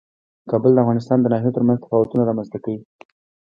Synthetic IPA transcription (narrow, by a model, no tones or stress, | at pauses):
kɑbəld̪əafɣɑnɪst̪ɑnd̪ənɑɦijot̪əɾmanzt̪ɪ̥fɑwat̪unaɾɑmanzt̪akawi